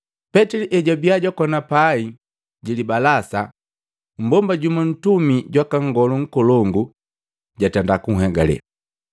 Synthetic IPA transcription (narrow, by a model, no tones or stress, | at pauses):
pɛtiliʔɛɟɔbiaɟakɔnapai | ɟilibalasa̰ | m̩bɔmbaɟumɔn̩tumiɟwakaŋɡɔluŋ̩kɔlɔŋɡu | ɟatandakuŋ̩ɦɛɡa̰lɛ̰